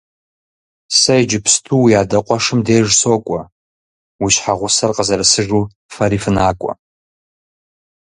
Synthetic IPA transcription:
sajd͡ʒɪpʰstʰuwiadaqʷʼaʂɨmdejʐsokʷʼa | wiʃħaʁʷʊsɨrqʼazaɾasɨʐu | faɾifnakʷʼa̰

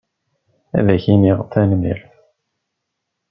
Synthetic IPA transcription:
æ̰ðæçiniʁt̪ːænmḭl

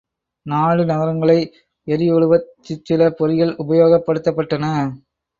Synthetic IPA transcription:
naːɭɯnɐɣɐɾɐŋɡɐɭɐɪ | ɛɾɪjɔɭɯʋɐt̪ːɪt͡ʃːɪlɐpɔɾɪjɐɭʊbɐjoːɣɐpːɐɽɯt̪ːɐpːɐʈːɐnɐ

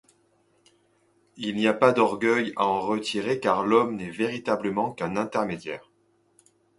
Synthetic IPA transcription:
ilniapad̪ɔʁɡœjaɑ̃ʁət̪ʰiʁekaʁlɔmnɛveʁit̪abləmɑ̃kɛ̃nɛ̃t̪ɛʁmed̪jɛːʁ

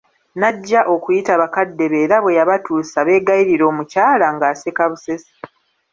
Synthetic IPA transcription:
naɟːaʔo̞kujitaβakadːe̞βe̞ːɾaβwe̞jaβatuːsaβe̞ːɡajiɾiɾo̞ːmucaːlaŋɡaːsekaβusesi̥

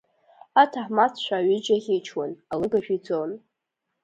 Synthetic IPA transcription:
atʰaħmat͡sʰt͡ʃʷʰaːɥid͡ʒaχʲejt͡ʃʰwanalɨɡaʒᶣid͡zʼon

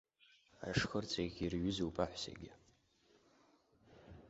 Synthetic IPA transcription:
a̰ʂxərt͡sʼeɡʲirɥʊzuwpʼaħʷsḛɡʲɪ

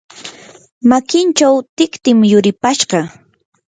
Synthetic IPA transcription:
makɪnt͡ʃawt̪ɪkt̪ɪmjʊɾɪpaʃɢɑ

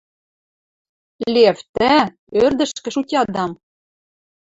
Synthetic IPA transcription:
lʲeft̪æ | ørd̪ɘ̆ʃkɘ̆ʃutʲɑd̪ɑm

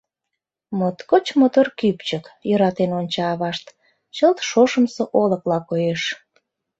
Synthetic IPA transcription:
mot̪kot͡ɕmot̪orkypt͡ɕəkjøɾɑt̪enonʲt͡ɕɑːβɑʃt̪ | t͡ɕəlt̪ʃoʃəmsoʔoləklɑkojeʃ

